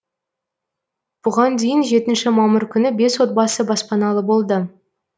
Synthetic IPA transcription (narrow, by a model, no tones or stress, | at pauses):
b̥ʊʁɑnd̪ejɪnʒe̞t̪ɪnʃɪmɑməɾkʲʰʏnɪbe̞swo̞t̪̚bɑsəbɑspɑnɑlˠəbo̞lˠd̪ə